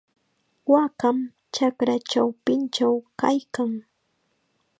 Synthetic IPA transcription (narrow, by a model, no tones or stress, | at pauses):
wakam | t͡ʃakɾat͡ʃawpɪnt͡ʃawkajkaŋ